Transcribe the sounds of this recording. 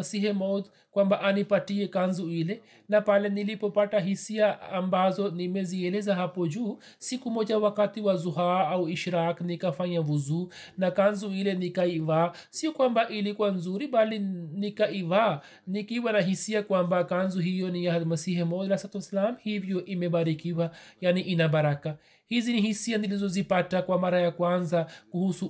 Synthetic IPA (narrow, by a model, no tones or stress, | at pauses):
siɦɛmɔd̪ | kwambaʔanipatiɛkanzuilɛ | napalɛnilipɔpataɦisiaambazɔnimɛziɛlɛzaɦapɔd͡ʒuː | sikumɔʄawakatiwazuɦaauiʃɾaknikafaɲavuzuː | nakanzuilɛnikaiva | siɔkwambaʔilikuwanzuɾiɓalinikaʔiða | nikiwanaɦisiakwambakanzɔɦijɔnijahalmasihɛmɔjalasatlslamhivjɔʔimɛɓaɾikiwajaniʔinaɓaɾaka | hizinihisianilizɔzipatakwamaɾajakwanzakuhusu